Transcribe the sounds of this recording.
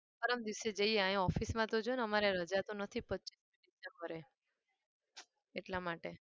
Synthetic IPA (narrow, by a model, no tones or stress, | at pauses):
pəɾəmd̪iwsed͡ʒəieãjĩɔfismãt̪od͡ʒnəmaɾeɾəd͡ʒat̪onət̪ʰipətːt͡ʃi̥sminisekəɾe | eʈlamaʈe